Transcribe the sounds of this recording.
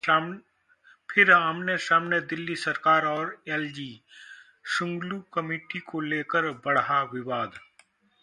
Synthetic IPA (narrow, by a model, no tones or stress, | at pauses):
pʰɪɾːəmnesaːmned̪ɪlːisɐɾkaːɾɔːɾɛld͡ʒi | ʃʊ̃ŋɡlukɐmiːʈikoleːkəɾbɐɽaʋɪʋaːd̪